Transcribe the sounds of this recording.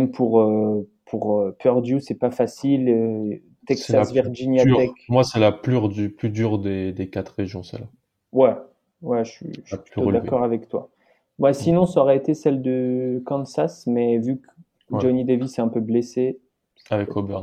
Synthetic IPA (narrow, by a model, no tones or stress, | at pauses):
mpʰuʁøpʰuʁpœʁd̪jusɛpafasilø | t̪ɛksasviʁʒinjat̪ɛkmwasɛlaplyʁd̪yplyd̪yʁd̪ed̪ekat̪χeʒjɔ̃sɛ̰la | wɛ | wɛʃɥḭad̪akɔʁavɛkt̪wa̰ | wɛsinɔ̃saɔʁɛet̪esɛld̪əkɑ̃nsasmɛvyk | d͡ʒonid̪evisɛɛ̃pøblese | savɛkobɛʁn